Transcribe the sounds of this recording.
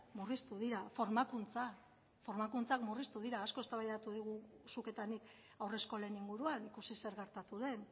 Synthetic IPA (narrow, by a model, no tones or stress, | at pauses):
murist̪uð̞iɾafo̞ɾmakunt͡sa | fo̞ɾmakunt͡sakmurist̪uð̞iɾaːsko̞e̞st̪aβajðat̪uðiɣ̞usuke̞t̪anik | awre̞sko̞le̞niŋɡuɾuanikusise̞ɾɣe̞ɾt̪at̪uðe̞n